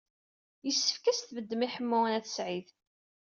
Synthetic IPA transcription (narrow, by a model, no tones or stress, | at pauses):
jəsːə̥fkæsθvəd̪ːəmiħəmːʊnæθə̥sʕið